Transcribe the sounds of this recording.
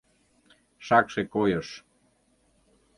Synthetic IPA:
ʃɑkʃekojəʃ

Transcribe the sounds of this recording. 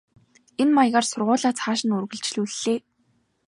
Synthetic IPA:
enmajʁaːrsʊrʁʊːɮaːt͡sʰχaːʃɪ̆nɵrɣɵ̆ɮt͡ɕɮuːɮːeː

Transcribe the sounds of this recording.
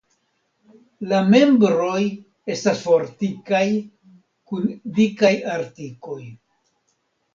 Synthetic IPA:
lame̞mbɾo̞j | e̞stasfo̞ɾtikaj | kundikajaɾtiko̞j

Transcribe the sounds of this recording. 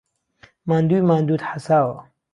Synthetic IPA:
maːnd̪uːjmaːnd̪uːd̪ħasaːwɐ̰

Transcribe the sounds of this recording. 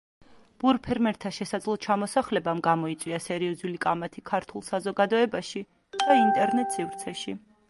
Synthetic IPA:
b̥uɾpʰɛɾmɛɾt̪ʰaʃɛsad̪zlˠɔt͡ʃʰamɔsaχlɛbamɡamɔit̪sʼwiasɛɾiɔzulikʼamat̪ʰikʰaɾt̪ʰulˠsazɔɡad̪ɔɛbaʃi | d̪̥aint̪ʼɛɾnɛt̪ʼsivɾt̪sʰɛʃi

